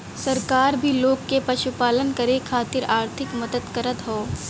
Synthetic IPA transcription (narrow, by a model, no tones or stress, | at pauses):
sɐɾkaːɾbʱiloːɡːepɐʃupaːlənkɐɾekʰaːt̪ɪɾaːɾt̪ʰɪkmɐd̪əd̪kəɾət̪ɦoː